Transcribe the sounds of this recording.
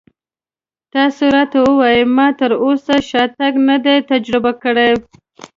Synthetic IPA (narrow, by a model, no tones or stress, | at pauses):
t̪ɑsoɾɑt̪awəwɑjəmɑt̪əɾosaʃɑt̪aɡnad̪et̪ad͡ʒɾɪbakəɽe